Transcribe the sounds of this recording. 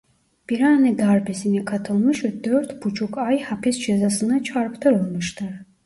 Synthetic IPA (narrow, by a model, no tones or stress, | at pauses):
b̥iɾanid̪aɾbʰɛsinikʰat̪ʰɔlˠmɨʃɛd̪œɾt̪ʰbut͡ʃʰukʰajhapʰisd͡ʒɛzasɨnət͡ʃʰaɾpʰt̪ʰəɾɔlməʃt̪aɾ